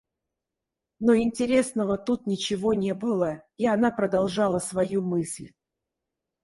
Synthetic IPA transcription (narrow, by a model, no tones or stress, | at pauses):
no̞ɪnʲtʲɪɾʲe̞snəvət̪ut̪nʲɪt͡ɕɪvo̞nʲe̞bɨlˠəianapɾəd̪alˠʐɑlˠəsvɐjumɨsʲlʲ